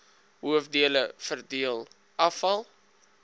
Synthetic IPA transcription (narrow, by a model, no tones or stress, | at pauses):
ɦuəfdiələfərdiəlˠ | ʔɐfɐlˠ